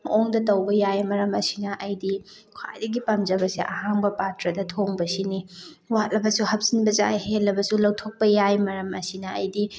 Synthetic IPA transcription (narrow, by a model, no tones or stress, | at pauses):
mɐoŋdɐtɐwbɐjajmɐɾɐmɐsinɐʔɐjdi | kʰwa̰jdɐɡipɐmzɐbɐsiʔɐ̰haŋbɐpatɾɐdɐtʰoŋbɐsini | watlɐbɐsuhɐp̚sinbɐza̰jhelːɐbɐsulɐwtʰok̚pɐjajmɐɾɐmɐsinɐ̰ːjdi